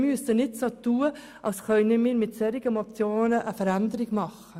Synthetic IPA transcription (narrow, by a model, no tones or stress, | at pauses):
myəsənɪtsoːt̪uːə | ʔɑlsχœnəmiːɾmɪtsɛɾɪɡənop̚t͡sjoːnəʔəfəɾænd̪əɾɪɡmɑχə